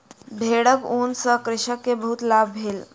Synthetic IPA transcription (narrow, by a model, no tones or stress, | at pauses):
bʱeɽəkunsəkɾɪɕəkːebəɦut̪labbʱel